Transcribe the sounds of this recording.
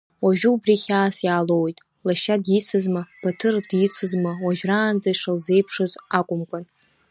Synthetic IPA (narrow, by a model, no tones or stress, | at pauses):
waʒᶣubriχʲaːsjaːlowjtʼ | laʃadjɪt͡sʰɨzmab̥atʰɨrdjit͡sʰɨzmawaʒᶣraːnd͡zaiʂalze̞jpʰʂɨzakʷʼʊmkʷʼan